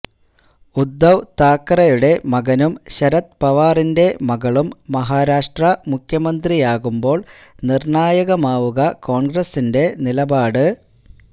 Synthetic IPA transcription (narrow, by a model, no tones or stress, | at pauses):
ud̪ːɐʋt̪aːkːɐrɐjuɽe̞mɐɣɐnumɕɐɾɐt̪̚pɐʋaːrinde̞mɐɣɐɭumːɐɦaːɾaːʂʈrɐmukʰjɐmɐnd̪rijaːɣumbo̞ːɭnirɳaːjɐɣɐmaːʋuɣɐko̞ːɳɡrɐsinde̞nilɐbaːɽɨ